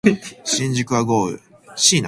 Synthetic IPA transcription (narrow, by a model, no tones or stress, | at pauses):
ɕĩɲd͡ʑikɯ̟βaɡoːɯ̰ | ɕiːna